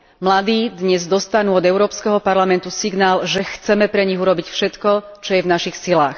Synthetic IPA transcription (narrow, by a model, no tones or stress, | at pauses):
mlad̪iːd̪ɲɛzd̪ɔst̪anuːɔd̪ɛʊɾɔːpskɛɦɔpaɾlamɛnt̪usiɡnaːlʒɛxt͡sɛmɛpɾɛɲiɣuɾɔbicfʃɛt̪kɔt͡ʃɔjɛvnaʃixsilaːx